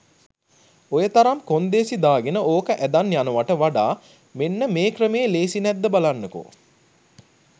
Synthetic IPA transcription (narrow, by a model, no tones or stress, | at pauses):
ojət̪aɾamkond̪eːsid̪aːɡenəoːkəʔæd̪anjanuʋaʈəʋaɖaː | menːəmeːkrəmeːleːsinɛd̪ːəbalanːeko̰